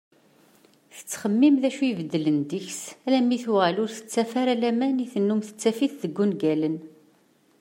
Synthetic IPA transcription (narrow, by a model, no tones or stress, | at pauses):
θə̥t͡sːχəmːimðæʃuvəd̪ːələnd̪əçsælæmiθwʁəlʊɾθə̥t͡sːæfaɾælæmæniθənːumθə̥t͡sːæfiθðəɡːunɡælən